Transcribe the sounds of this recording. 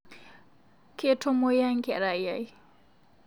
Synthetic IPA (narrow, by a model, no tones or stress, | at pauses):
ketʰɔmojaŋkɛɾajaj